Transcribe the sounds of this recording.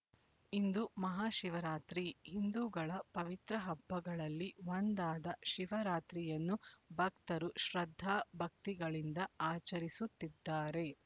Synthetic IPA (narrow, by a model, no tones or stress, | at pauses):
ind̪umɐɦaːʃiʋɐɾaːt̪ɾihind̪uːɡɐɭɐpɐʋit̪ɾɐɦɐbʱːɐɡɐɭɐlːiʋond̪aːd̪ɐʃiʋɐɾaːt̪ɾijɐnːubʱɐkt̪ɐɾuʃɾɐd̪ʱːaːbʱɐk̚t̪iɡɐɭind̪ɐaːt͡ʃɐɾisut̪ːid̪ːaːɾe̞